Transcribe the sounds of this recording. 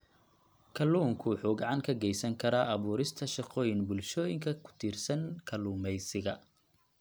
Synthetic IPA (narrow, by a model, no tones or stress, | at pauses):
kʰɐluːŋkʰʊħuːɡɐʕɑŋkʰɐɡɛjsɐŋkʰɐɾaːʔɐβuːɾɪst̪ʰɐʃɑqɔːjɪnbʊlʃɔːjɪŋkʰɐkʰʊ̥t̪ʰiːrsɐnkʰɐluːmɛjsɪɣɐ